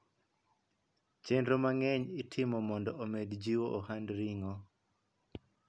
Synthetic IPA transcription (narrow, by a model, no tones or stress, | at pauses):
t͡ʃendɾomaŋɛɲɪtʰɪmɔmɔndɔʔomedd͡ʒiwoʔohandɾiŋɔ